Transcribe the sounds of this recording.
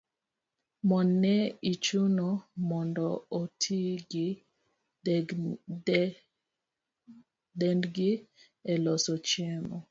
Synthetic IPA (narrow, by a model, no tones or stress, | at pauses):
mɔnːɛit͡ʃunɔmɔndɔːtʰiɡ | dɛndɡɪ | ɛlɔsɔt͡ʃjɛmɔ